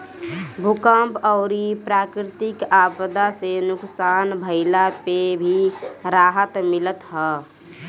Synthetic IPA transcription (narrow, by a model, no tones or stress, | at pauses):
bʱukəmpɔʊɾipɾaːkɾɪt̪ɪkaːbəd̪asenʊksaːnbʱəɪlapebʱiɾaːɦət̪mɪlət̪ɦɛ